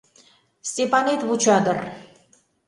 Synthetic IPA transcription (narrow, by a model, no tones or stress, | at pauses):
st̪epanet̪but͡ʃʰad̪ər